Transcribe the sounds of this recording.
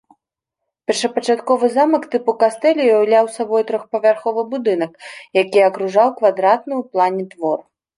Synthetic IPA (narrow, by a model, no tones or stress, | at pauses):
pʲɛrʂɐpɐt͡ʂat̪kɔvɨzamɐkt̪ɨpukast̪ɛlʲijawlʲawsabɔjt̪ɾɔxpɐvʲarxɔvɨbud̪ɨnɐkjakʲijɐkɾuʐawkvad̪ɾat̪nɨwplˠanʲɛt̪vɔr